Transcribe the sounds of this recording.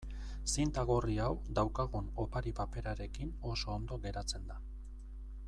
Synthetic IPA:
sint̪aɣo̞riawd̪awkaɣuno̞paɾipape̞ɾaɾe̞kino̞so̞ːnd̪o̞ɣe̞ɾat͡se̞nd̪a

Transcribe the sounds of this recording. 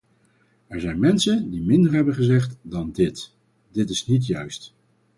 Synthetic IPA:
ɛɹzɛjnmɛnsəndimɪndəɹɦɛbənχəzɛχtdɑndɪt | d̥ɪtɪsnit̬jœɥst

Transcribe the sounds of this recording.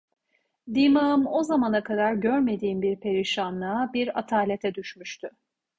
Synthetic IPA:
d̪imaɯmo̞zamanakʰad̪aɾɟøɾme̞d̪iːnbiɾpʰe̞ɾiʃanːaːbiɾat̪ʰaːlʲe̞t̪ʰɛd̪yʃmyʃt̪ʰy

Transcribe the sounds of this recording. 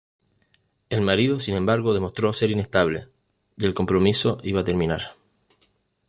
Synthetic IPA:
e̞lmaɾiðo̞sinẽ̞mbaɾɣo̞ð̞e̞mo̞st̪ɾo̞se̞ɾine̞ht̪aβle̞̰ | ie̞lko̞mpɾo̞miso̞ʔiβat̪e̞ɾmĩnaɾ

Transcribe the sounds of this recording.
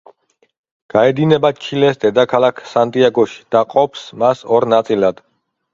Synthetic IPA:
ɡ̥aɛd̪inɛbat͡ʃʰilɛsd̪ɛd̪akʰalˠakʰsant̪ʼiaɡɔʃi̥d̪̥aqʼɔpsmasɔɾnat̪sʼilad̪̥

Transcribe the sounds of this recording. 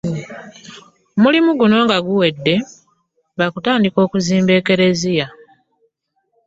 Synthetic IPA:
omulimuɡuno̞ːŋɡaɡuwe̞dːe̞ | βakutaːndiko̞ːkuziːmbe̞ːke̞ɾe̞zija

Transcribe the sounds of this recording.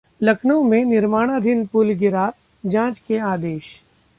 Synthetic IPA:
lɐkʰnõmẽnɪɾmaːɽ̃ad̪ʱɪnpulɡɪɾa | d͡ʒãːt͡ʃkeaːd̪eːʃ

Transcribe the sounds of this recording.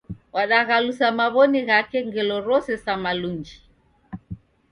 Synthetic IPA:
waɗaɣalusamaβɔniɣakɛŋɡɛlɔɾɔsɛsamaluɲd͡ʒi

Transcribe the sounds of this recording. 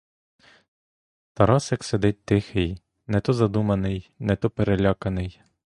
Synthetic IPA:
t̪ɐɾɑsjɐksed̪ɪt̚ʲt̪ɪxɪj | nɛt̪ɔzɐd̪umɐnɪjnɛt̪ɔpeɾelʲɑkɐnɪj

